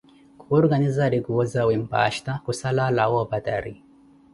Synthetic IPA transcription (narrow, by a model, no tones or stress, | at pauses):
kuɔɾɡanizaɾiɡuwozawimpa̰ʃt̪akusalalawobat̪aɾi